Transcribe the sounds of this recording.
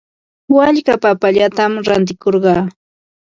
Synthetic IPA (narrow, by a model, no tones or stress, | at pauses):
waʎkapapaʎat̪amɾant̪̬ɪkoɾɢɑː